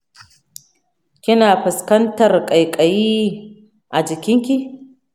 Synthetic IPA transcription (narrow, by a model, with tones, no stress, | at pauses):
kʲɪ˦naː˨ɸʊ˨skɐ˦ntɐ˨rkʼɐ˨jkʼɐ˨jiː˦ | ʔa˨d͡ʒɪ˨kʲɪ˦ŋkʲi˦